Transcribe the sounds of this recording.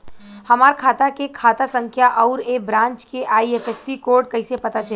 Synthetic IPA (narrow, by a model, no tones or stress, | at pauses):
həmaːɾkʰaːt̪akekʰaːt̪asə̃ŋkʰjaʔɐʊɾebɾãːnt͡ʃkeʔaːiepʰesːikoːɾɖ̚kəɪsepɐt̪at͡ʃʰɛ